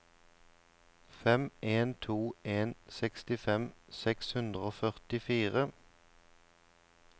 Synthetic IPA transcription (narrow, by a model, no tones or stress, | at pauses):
fɛmeːnt̪ʰuːeːnsɛkst̪ɪfɛmsɛkshʉnd̪ʁəoːfœʁt̪ɪfiːʁə